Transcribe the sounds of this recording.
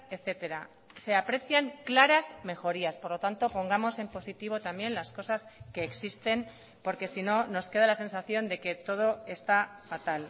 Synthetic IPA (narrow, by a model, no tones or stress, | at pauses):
e̞θe̞t̪e̞ɾa | se̞apɾe̞θjaŋklaɾazme̞xo̞ɾiaspo̞ɾlo̞t̪ant̪o̞po̞ŋɡamo̞se̞mpo̞sit̪iβo̞t̪ambje̞nlasko̞saske̞ːksist̪e̞n | po̞ɾke̞sino̞no̞ske̞ð̞alase̞nsaθjo̞nd̪e̞ke̞t̪o̞ð̞o̞e̞st̪afat̪al